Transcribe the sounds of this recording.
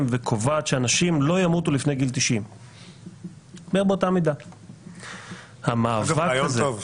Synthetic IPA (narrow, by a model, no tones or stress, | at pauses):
mvekʰovaːt̪ʃeanaʃimlo̞jamut̪ulifne̞jɡilt̪iʃim | bebetamid̪a | hamaavaazev